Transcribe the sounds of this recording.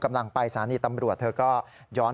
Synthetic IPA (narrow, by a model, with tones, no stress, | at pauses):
ka˧mla˧ŋpa˧jsaː˩˦niː˧˩t̪a˧mɾu˨˩ət̪ʰɤː˧kɔː˥˩ | jɔː˦˥